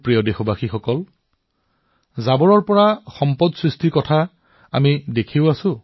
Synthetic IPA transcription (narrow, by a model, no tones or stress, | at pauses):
pɹijɔdexɔbaxixɔkɔl | zabɔɹɔɹpɔɹaxɔmpɔdsɹistʰikɔtʰa | a̰midekʰiʊasʊ̃